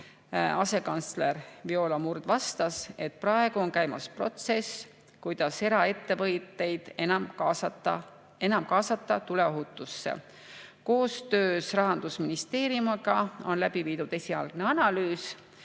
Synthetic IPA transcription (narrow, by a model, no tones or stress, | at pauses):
ɑse̞kɑnt̪sle̞ɾvio̞ːlɑmurd̪̥vɑst̪ɑse̞t̪̚prɑe̞ɡ̥uo̞nkæjmɑspro̞t̪se̞s | kujd̪̥ɑse̞ɾɑe̞t̪ːe̞vɤjt̪ːˑe̞jd̪̥ensɑt̪ːɑ | e̞nɑmkɑːsɑt̪ˑːɑt̪ule̞o̞ɦut̪ːˑusːḛ | ko̞ːst̪ø̞ːsrɑɦɑnd̪̥usminist̪e̞ːɾjumɑɡɑo̞nlæb̥iviːd̪̥ud̪̥e̞sʲiɑlɡ̥ne̞ɑnɑlyːs